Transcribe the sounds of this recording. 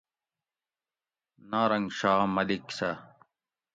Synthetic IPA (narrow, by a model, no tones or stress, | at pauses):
naːɾɐŋɡɕaːmɐliksɐ